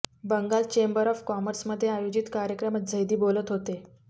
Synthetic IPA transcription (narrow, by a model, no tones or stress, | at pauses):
bəŋɡalt͡ɕembəɾɔfkɔməɾsməd̪ʱːjeajod͡ʑit̪kaɾjəkɾəmad͡zʱəjd̪iːbolət̪ɦot̪e